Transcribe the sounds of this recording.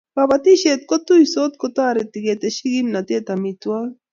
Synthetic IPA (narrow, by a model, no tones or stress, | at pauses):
pabat̪iʃet̪kot̪ujsot̪kot̪aːɾet̪iɡet̪eʃiɡimnat̪et̪amit̪wa